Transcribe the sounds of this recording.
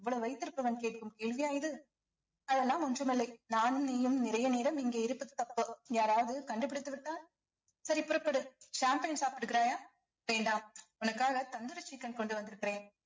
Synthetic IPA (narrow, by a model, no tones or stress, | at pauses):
ɛʋːɐɭoːʋɐɪt̪ːɪɾɯpːɐʋɐnkeːʈɯkːɯmkeːɭʋɪjaːjɪðɯ | ɐðɛlːãːmʊnd͡ʒrɐmɪlːɐɪnaːnɛjɯmnɪɾɐjɐneːɾɐmɪŋɡeːɪɾɯpːɯðɯt̪ːɐpːɯjaːɾaːʋɐðɯkɐɳɖɯpːɪɽɪt̪ːɯʋɪʈːaːn | sɐɾipɔɾɐpːɐɽɯʃaːmpɐjnsaːpɪʈːɯkːɪɾaːjaː | ʋeːɳɖaːmɔnɐkːaːɣɐt̪ɐnd̪ɯɾɐt͡ʃːikːɐnkɔɳɖɯʋɐnd̪ɪɾɯkːɪɾẽːn